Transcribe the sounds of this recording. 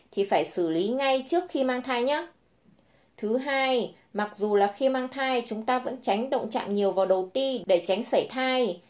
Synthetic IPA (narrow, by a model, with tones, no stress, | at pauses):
t̪ʰi˨˩faː˧˩jsɨ˧˩li˨˦ŋa˧jt͡ɕɨ˦˥ək̚xi˧maː˧ŋt̪ʰaː˧jɲaː˨˦˥ | t̪ʰɨ˨˦ɦaː˧j | ma˨˩k̚zu˨˩laː˨˩xi˧maː˧ŋt̪ʰaː˧jt͡ɕʊ˨˦ŋ͡mt̪aː˧və̰˧˥nt͡ɕa˨˦jŋ̟ɗə̰˧˨wŋ͡mt͡ɕa̰ː˧˨mɲi˨˩əwvaː˨˩wɗə˨˩wt̪i˧ɗe˧˩t͡ɕa˨˦jŋ̟sa˧˩jt̪ʰaː˧j